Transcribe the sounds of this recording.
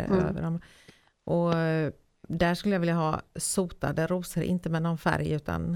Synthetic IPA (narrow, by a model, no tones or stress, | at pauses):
ø̰ːvə̰ɖɔm | ʔɔ | d̪æʂkɵlːəjaːvɪljaɦɑːsuːt̪ad̪əɾuːsəɾʔɪ̰nt̪əmɛnɔnfæ̰ɾjʉ̟ːt̪ʰa̰n